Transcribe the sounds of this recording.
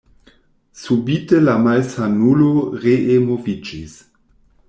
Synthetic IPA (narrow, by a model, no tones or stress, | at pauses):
subitelamalsanuloʁeʔemovid͡ʒis